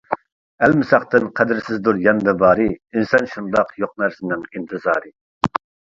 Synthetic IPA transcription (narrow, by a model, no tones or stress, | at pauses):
ɛlmɪsɑχt̪ɨnqʰɛd̪ɪɾsɪzd̪uɾjɛnd̪ɨbɑːɾɨinsɑnʃund̪ɑqjoq̚næɾsɪnɪŋint̪ʰɨzɑ̰ːɾɨ